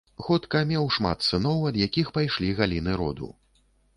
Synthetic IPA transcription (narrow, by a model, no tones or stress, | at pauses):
xɔt̪kɐmʲɛwʂma̰t̪̚t̪sɨnɔwɐd̪jakʲixpajʂlʲiɣalʲinɨɾɔ̰d̪ṵ